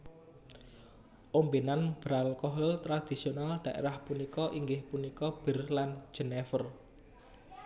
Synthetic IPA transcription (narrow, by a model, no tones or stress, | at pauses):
ʔombinanb̥ɾalkɔɦəlt̪ɾad̪̥i̤sionald̪̥ä̤ʔḛɾahpunikɔʔiŋɡɪhpunikɔb̥ərland͡ʒ̥ə̤nefər